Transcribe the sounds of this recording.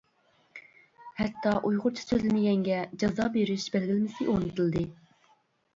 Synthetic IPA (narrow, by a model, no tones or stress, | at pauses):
hɛt̪ʰːɑʔujʁʊɾt͡ʃʰi̥søzlɪnɪjʲɛŋɡʲɛd͡ʒɑzɑbeɾɪʃbælɡʲilmɪsɪʔonɨt̪ʰɨlˠd̪ɨ